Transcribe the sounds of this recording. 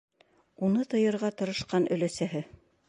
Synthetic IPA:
unɤt̪ɤ̆jɤ̆ɾʁɑt̪ɤ̆ɾɤ̆ʃqɑnʔɵ̆læsæɦɘ

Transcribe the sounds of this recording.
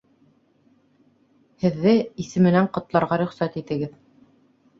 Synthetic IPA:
hɘ̆ðːɘisɘ̆mɘ̆næɴqŏt̪lˠɑɾʁɑɾɵ̆χsæt̪it̪ɘ̆ɡɘð

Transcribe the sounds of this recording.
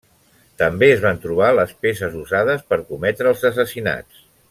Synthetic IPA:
t̪əmbeəzβant̪ɾuβ̞aləspes̬əzuzað̞əspəɾkumɛt̪ɾəːlˠzəs̬əsina̰t͡s

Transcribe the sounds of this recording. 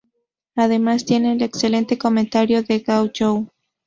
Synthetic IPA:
að̞e̞mast̪je̞neleksele̞nt̪e̞ko̞mẽnt̪aɾjoðeɣawt͡ʃow

